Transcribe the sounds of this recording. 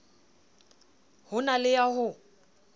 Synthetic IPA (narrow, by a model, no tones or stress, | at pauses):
hʊnalɪjaɦʊ